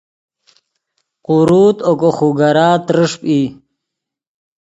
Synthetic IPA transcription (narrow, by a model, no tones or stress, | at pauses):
quɾuːt̪okoxuɡaɾaːt̪ɾəʂpi